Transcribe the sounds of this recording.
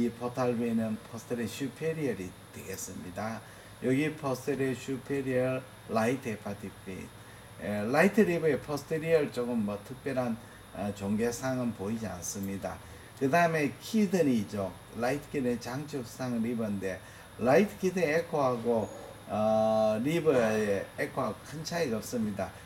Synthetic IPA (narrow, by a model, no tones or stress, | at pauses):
ipʰotʰaɭbenɯnpʰʌstʰɯɾeɕupʰeɾiʌɾitwe̞̰ɡes͈ɯmɲida | jʌɡipʰʌstʰeɾeɕupʰeɾiʌː | aitʰepʰatʰipʰḭ | laitʰɯɾibɯepʰʌstʰeɾiʌɭt͡ɕ͈oɡɯmːʌtʰɯk̚p͈jʌɾan | t͡ɕoŋɡesʰaŋɯnpoid͡ʑia̰ns͈ɯmɲida̰ | kɯdaɯme̞kʰidɯnid͡ʑo | laitʰk͈id̪et͡ɕaŋt͡ɕʰɯk̚s͈ʰaŋɾibɯnde̞ | laitʰkidɯekʰoɦaɡo | ɾibɯeekʰoɦaɡokʰɯnt͡ɕʰaiɡaʌp̚s͈ɯmɲida